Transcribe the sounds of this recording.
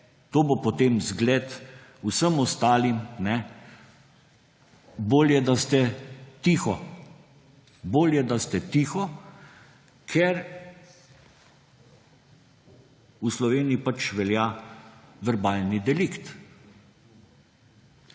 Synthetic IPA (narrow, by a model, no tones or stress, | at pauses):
t̪oːbopot̪emzɡlɛːt̪ | usəmɔst̪aːlimnɛ | boːljɛd̪ast̪ɛt̪iːxɔ | boːljɛd̪ast̪ɛt̪iːxɔ | kʰɛɾ | uslɔʋeːnijipat͡ʃʋɛljaː | ʋɛɾbaːlnid̪ɛlikt̪